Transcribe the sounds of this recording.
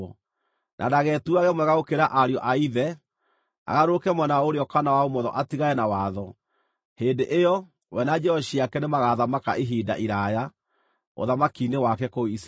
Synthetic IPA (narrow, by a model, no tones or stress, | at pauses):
nʔa̰daɣɛtuaɣɛmwɛɣaokeɾaʔaɾeɔʔaiðɛ | a̰ɣaɾokɛmwɛnaoɾeɔkanawaomɔðɔ̰ʔatiɣaɛnawaðɔ | heːndeʔejɔ | wɛnad͡ʒɛɔʃiakɛnemaɣaðamaka̰ʔeɦida̰ʔiɾaja | o̰ðamakinewakɛkois